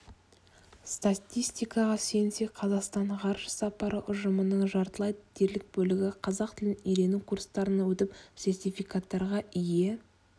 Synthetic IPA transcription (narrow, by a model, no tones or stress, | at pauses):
st̪at̪ʲijst̪ijkɑʁɑse̞jɪnse̞qʰɑzɑqst̪ɑɴqʰɑɾʃə̥sɑpɑɾəʔʊʒəmənəɴʒɑɾt̪əlˠɑjd̪əd̪ʰe̞ɾlɪk̚bɵlɪɡʲɪqʰɑzɑqt̪ʰɪlɪnijɾe̞nukʰuɾst̪ɑɾənɑwɵt̪ɪpsʲe̞rt̪ʲijfijkat̪ːɑɾʁɑɪje̞